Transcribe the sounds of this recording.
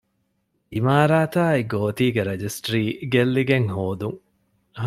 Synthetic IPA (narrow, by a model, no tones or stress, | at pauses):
imaːɾaːt̪aːiɡoːt̪iːɡeɾed͡ʒisʈɾiːɡelːiɡeŋhoːd̪uŋ